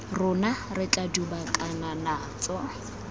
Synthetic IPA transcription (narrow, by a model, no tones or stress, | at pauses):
rʊnarɪkʼadubakʼananaːt͡sʼɔ